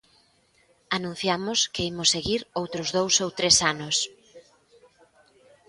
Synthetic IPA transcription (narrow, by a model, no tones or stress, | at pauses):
anũn̟θjamʊskeimʊsːeɣiɾowt̪ɾʊzðowsowt̪ɾesanʊs